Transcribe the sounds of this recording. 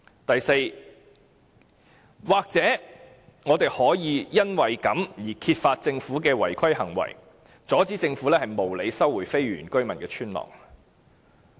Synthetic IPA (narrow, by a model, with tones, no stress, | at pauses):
t̪ɐ˨jse˧j | waː˨k̚t͡sɛː˨˥ | ŋɔː˨˧t̪e˨jhɔː˨˥jiː˨˧jɐ˥nwɐ˨jkɐ˨˥mjiː˨˩kʰiː˧t̚faː˧t̚t͡sɪ˧ŋfuː˨˥kɛː˧wɐ̰˨˩jkʰɐ˥jhɐ˨˩ŋwɐ̰˨˩j | t͡sɔː˨˥t͡siː˨˥t͡sɪ˧ŋfu˨˥lɛː˥hɐ˨jmo˨˩wle˨˧jsɐ˥wːuː˨˩jfe˥jɥyː˨˩nkɵ˥ɥmɐ˨nkɛː˧t͡ʃʰyː˥nlɔ̰ː˨˩ŋ